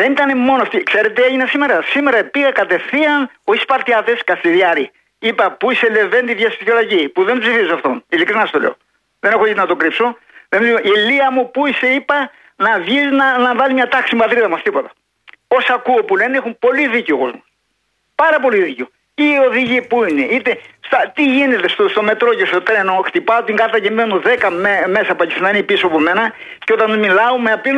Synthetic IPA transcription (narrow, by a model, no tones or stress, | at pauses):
ðenit̪ɐnemːo̞noft̪ikse̞ɾe̞t̪eeʝinɐsime̞ɾɐsimeɾɐpiɣɐkɐt̪e̞θiɐn | oispɐɾt̪jɐt̪eskɐsiɾiɐɾi | ipɐpuisele̞vent̪iðjɐsitolɐʝipuðempzsifizosɐft̪onilikɾinɐst̪oleo | ðe̞nexoit̪nɐt̪o̞kɾipso | ðemsiilːiɐmupuise̞ipɐ | nɐvʝiznɐnɐvɐlimɲɐt̪ɐksimuɐt̪ɾiðɐmɐst̪ipo̞t̪ɐ̥ | o̞sɐkuopulenexumpo̞liðiceoko̰zmu | pɐɾɐpo̞liðiceo | iːo̞ðiʝipuineit̪est̪ɐt̪iʝine̞t̪e̞st̪ost̪o̞me̞t̪ɾo̞cest̪ot̪ɾe̞no̞xt̪ipɐot̪iŋɡɐɾt̪ɐcemenoðekɐmeme̞sɐpɐcisinɐinipisoɐpome̞nɐ | ceo̞t̪ɐnmilɐumeɐpin